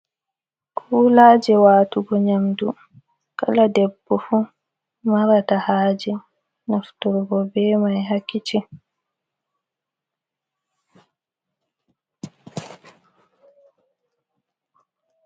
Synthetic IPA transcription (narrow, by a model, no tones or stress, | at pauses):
kʰuːlaːd͡ʒɛwaːtuɡɔɲamdu | kaladɛbːɔfu | maɾatahaːd͡ʒɛ | naftuɾbɔbɛːmajɦakːit͡ʃi